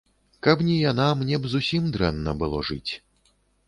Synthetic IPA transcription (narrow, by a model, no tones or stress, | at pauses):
kɐpnʲijanamnʲɛbzusʲimd̪ɾɛnːɐbɨlˠɔʐɨt͡sʲ